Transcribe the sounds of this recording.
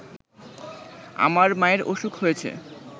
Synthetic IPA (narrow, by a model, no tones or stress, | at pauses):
a̰maɾmaeɾoʃukɦojet͡ɕʰḛ